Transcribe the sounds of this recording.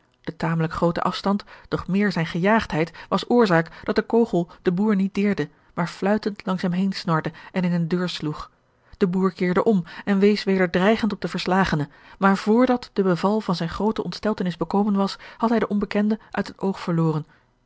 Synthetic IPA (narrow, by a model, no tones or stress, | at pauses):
d̥ətaːmələkχrowtə̰ʔɑfstɑntd̥ɔχmɪːɹzɛjnχəjaːχtɦɛjtʋɑsʊːɹzaːkd̥ɑt̚dəkowχəlˠd̥əbuːɹnit̚dɪːɹdə | maːɹflœɥtəntʰlɑŋsɛmɦejnsnɔɹdəʔɛnɪnəndøːɹsluχ | d̥əbuːɹkɪːɹdəʔɔmɛnʋejsʋejdəɹdrɛjχəntɔb̚dəvəɹslaːχənəmaːɹv̥ʊːɹdɑtd̥əbəvɑlˠvɑnzɛjnχrowtəʔɔntstɛlˠtənɪzbəkowmənʋɑshɑtɦɛjdəʔɔmbəkɛndəʔœ̰ɥtɦətowχfəɹlʊːrən